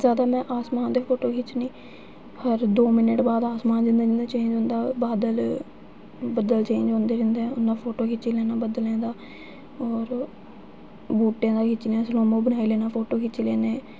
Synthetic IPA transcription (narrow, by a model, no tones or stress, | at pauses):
zjaːd̪aːmɛ̃ːʔaːsmaːnd̪eːpʰoːʈoːkʰɪt͡ʃnĩː | həɾd̪oːmɪnəʈbaːd̪aːsmaːnd͡ʒɪnd̪aːnd̪aːt͡ʃẽːɲd͡ʒõːnd̪aːbaːd̪əl | bəd̪əlt͡ʃẽːɲd͡ʒõːnd̪eːɾɪ̃nd̪eʊnːãːpʰoːʈoːkʰɪt͡ʃiːlɛːnaːbəd̪əlɛ̃ːd̪aː | ɔːɾ | buːʈːjãːd̪aːkʰɪt͡ʃːleːãːsənõːmõːbənaːilɛːnaːpʰoːʈoːkʰɪt͡ʃlɛːnẽː